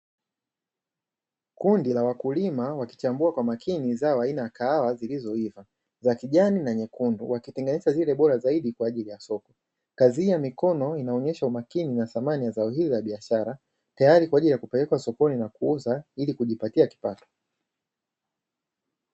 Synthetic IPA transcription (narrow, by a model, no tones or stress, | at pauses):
kundilawakulimawaki̥t͡ʃambuakwamakʰinizaɔainajakaawazilizɔiva | zakiʄaninaɲɛkunduwakitɛŋɡɛniʃazilɛɓɔɾazaiɗikwaːʄilijasɔkɔ̥ | kaziijamikɔnɔinaɔɲɛʃaumakininaθamanijazaɔɦizizaɓiaʃaɾa | tajaɾikwaʄilijakupɛlɛkwasɔkɔninakuuzailikuʄipatiaki̥patɔ̥